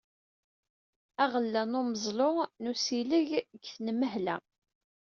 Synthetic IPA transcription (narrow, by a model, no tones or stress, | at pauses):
æʁəlːænʊməzˤlonusiləʝɡθnəməɦlæ